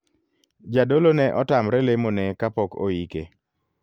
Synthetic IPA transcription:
d͡ʒadolonɛʔɔtamɾɛlemonɛkapɔko̰ike

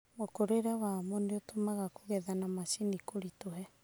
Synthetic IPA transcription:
mokoɾeɾawamɔneotomaɣakoɣɛðanamasinikoɾitoɦɛ

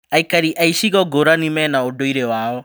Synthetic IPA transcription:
aikaɾiʔaiʃiɣɔɡoɾanimɛnaodoiɾewaːɔ

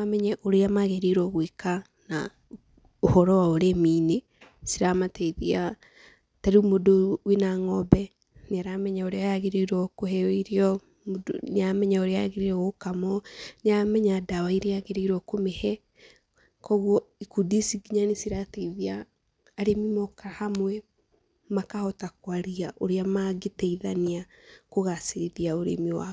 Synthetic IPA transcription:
amɛɲɛʔoɾeamaɣeɾiɾɔɣweka | na̰ | ohɔɾɔwaoɾemiːne | siɾamatɛiðia | taɾumodowinaŋɔbɛ | neaɾamɛɲɛoɾeaaɣeɾiɾwɔkoɦɛɔiɾeɔ | moneamɛɲɛoɾeaaɣeɾiɾɔɣokamɔneamɛɲadawaiɾeaɣeɾeiɾɔkomehɛ | kɔɣwɔikudisiɡiɲanesiɾateiðiaː | ɾemimɔkahamwɛ | makahɔtakwaɾiaʔoɾeamaɡetɛiðaniakoɣaseɾiðiaoɾḛmiwa̰

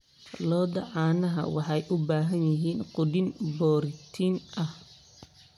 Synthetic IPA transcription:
lɔːd̪ɐʕɑːnɐɦɐ̰wɑħɑjʔʊbaːɦɐnjɪɦiːnqʊd̪ɪnbɔːɾt̪ʰinʔɐh

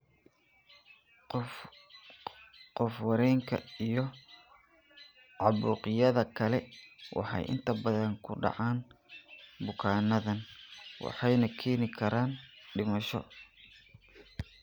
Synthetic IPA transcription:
qɔfwɐɾɛːŋkʰɐ̰ijɞ | ʕɑβuːqɪjɐðɐkʰɐlɛwʔɑ̰ħɑ̰jʔɪ̰nt̪ʰɐbɐðɐŋkʰʊɖɑ̰ʕɑːn | bʊkʰaːnɐðɐnwɑ̰ħɑjnɐkʰɛːnɪkʰɐɾaːnɖɪmɐʃɔ̰

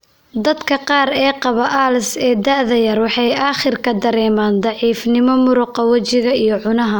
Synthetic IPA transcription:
d̪ɐd̪kʰɐqɑːɾɛːqɑβɐʔaːlsɛːd̪ɐʕðɐjɐrwɑħɑjaːχɪrkʰɐd̪ɐɾɛːmaːnd̪ɑʕiːfnɪmɔmʊɾʊqɑwɐt͡ʃɪɣɐijɞʕʊnɐɦɐ

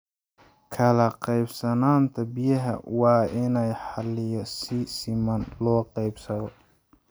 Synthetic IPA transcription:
kʰɐlɐqɑjbsɐnaːnt̪ʰɐbijɐɦɐ̰wɑːɪnɛjħɑlɪjɔsɪsɪmɐnlɔːqɑjbsɐðɔ

